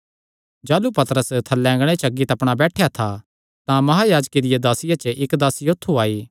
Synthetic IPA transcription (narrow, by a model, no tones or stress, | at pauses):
d͡ʒaːlupɐt̪əɾəst̪ʰɐlːɛ̃ːŋɡɽ̃et͡ʃɐɡːit̪ɐpɽ̃abɛːʈʰjat̪ʰa | t̪ãmɐɦaːjaːd͡ʒked̪ɪjad̪aːsɪjat͡ʃəʔɪkd̪aːsiot̪ʰːuaːiː